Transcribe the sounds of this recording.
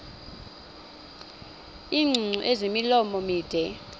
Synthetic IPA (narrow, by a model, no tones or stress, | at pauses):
iːŋ͡ǀʱuŋ͡ǀuʔezimilɔmɔmiːd̥ʱɛ